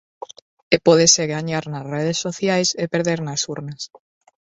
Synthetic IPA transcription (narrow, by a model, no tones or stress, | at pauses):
epɔðeseɣaɲaɾnɐsreð̞esːoθjajsepeɾðeɾnɐsuɾnɐs